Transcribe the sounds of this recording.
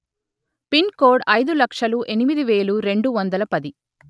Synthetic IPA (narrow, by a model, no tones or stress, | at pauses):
pinkoːɖɐjd̪ulɐkʂɐluʔenimid̪iʋe̞ːluɾe̞ɳɖuʋɐnd̪ɐlɐpɐd̪i